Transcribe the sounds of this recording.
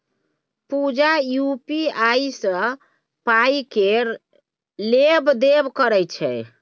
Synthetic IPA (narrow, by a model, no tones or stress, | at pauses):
pud͡ʒajupiajsə̃ | pajkeɾ | lebd̪ebkəɾɛjt͡ʃʰɛ